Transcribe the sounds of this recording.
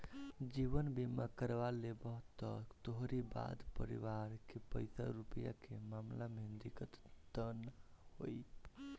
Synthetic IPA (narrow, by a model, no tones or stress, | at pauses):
d͡ʒiʋənbʱimakəɾʋalebəɦt̪ɔt̪oɦɾiba̰d̪pəɾḭʋaɾkepə̰jsa̰ɾupəja̰kemamlamend̪ikət̪d̪ənho̰j